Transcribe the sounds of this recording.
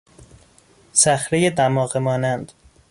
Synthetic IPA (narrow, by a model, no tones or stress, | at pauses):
sæxɾejed̪æmɒːɣemɒːnænd̪̥